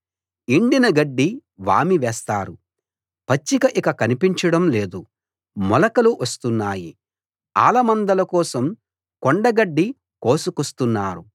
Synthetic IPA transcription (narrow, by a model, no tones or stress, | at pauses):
iɳɖinɐɡɐɖːiʋa̰ːmiʋɛːst̪aːɾu | pɐt͡ʃːikɐʔikɐkɐnipiɲt͡ʃɐɽɐmleːd̪u | mɔlɐkɐluʋɐst̪unːaːji | a̰ːlɐmɐnd̪ɐlɐkɔːsɐm | kɔɳɖɐɡɐɖːi | koːsukust̪unːaːɾu